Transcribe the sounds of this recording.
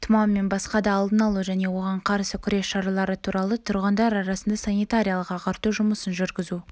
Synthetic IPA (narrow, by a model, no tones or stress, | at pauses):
t̪ʰʊmɑmːe̞nbɑsqɑd̪ɑːlˠd̪ənɑlˠuʒæne̞wo̞ʁɑɴqʰɑɾsəkʲʰʏɾe̞sʃɑɾɑlˠɑɾət̪ʰuɾɑlˠət̪ʰʊɾʁənd̪ɑɾɑɾɑsənd̪ɑsanijt̪aɾʲijalˠəqɑqɑɾt̪uʒʊməsənʒʏɾɡʲɪzu